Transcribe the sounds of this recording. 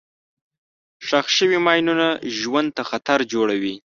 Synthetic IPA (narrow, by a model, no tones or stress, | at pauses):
ʂaxʃəwimɑjnunaʒwand̪̚t̪axat̪aɾd͡ʒoɽawi